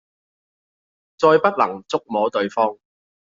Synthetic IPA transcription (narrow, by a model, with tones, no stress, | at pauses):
t͡sɔː˧jpɐ˥t̚lɐ˨˩ŋt͡sʊ˥k̚mɔː˨˥t̪ɵ˨˧ɥfɔː˥ŋ